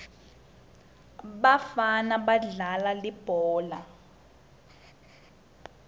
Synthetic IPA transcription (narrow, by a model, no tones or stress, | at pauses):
ɓafanaɓaɮalalib̥ʱɔːla